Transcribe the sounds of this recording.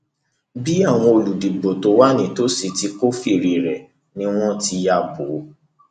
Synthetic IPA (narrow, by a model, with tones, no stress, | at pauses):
bi˦a˦˨w̃ɔ̃˧o˧lu˨di˨ɡ͡bo˨to˨˦wa˦nĩ˦˨to˦si˨˧ti˨˧˦ko˦fi˦˨ɾi˨ɾɛ˨ | nĩ˦w̃ɔ̃˦ti˧ja˧˨bo˨˦